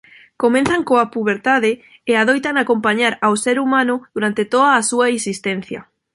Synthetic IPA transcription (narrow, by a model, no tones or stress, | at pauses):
komẽnθaŋkoapuβ̞eɾt̪aðeː | aðojt̪aŋakompaɲaɾawseɾumãnʊðuɾant̪et̪oðaːsuaisist̪ẽnθja̰